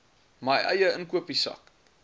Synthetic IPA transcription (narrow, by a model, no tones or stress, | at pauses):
mɐjʔɐjəənkuəpisɐ̰k